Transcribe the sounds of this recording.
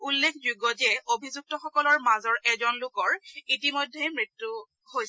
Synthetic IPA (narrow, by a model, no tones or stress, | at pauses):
ulːekʰzuɡɔzɛobʱizuk̚tɔxɔkɔlɔɹmazɔɹɛzɔnlʊkɔɹitimojdʱːejmɹitːu | hoj